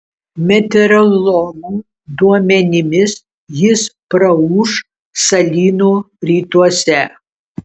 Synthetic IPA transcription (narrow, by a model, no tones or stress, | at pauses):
mʲɛt̪ʲɛɾɐlˠomuː | d̪uɔmʲɛnʲɪmʲɪs | jɪspɾɐuʃ | sɐlʲiːnoː | ɾʲiːt̪uɔsʲɛ